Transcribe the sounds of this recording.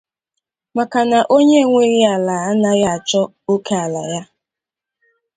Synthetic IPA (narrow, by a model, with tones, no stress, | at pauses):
ma˨ka˨na˨ʔo˦ɲe˦ŋʷe˦ɾi˦a˨la˨a˦na˨ja˦a˨t͡ʃɔ˦ | o˦ke˦a˨la̰˨ja˦